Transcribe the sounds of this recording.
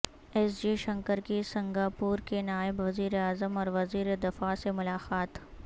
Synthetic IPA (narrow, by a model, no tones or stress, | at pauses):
ɛsd͡ʒiʃɐ̃ŋkəɾkisɐ̃ŋɡaːpuːɾkenaːɪbʋɐziːɾeaːzəmɔːɾʋɐziːɾed̪ɪfasemʊlaːqaːt̪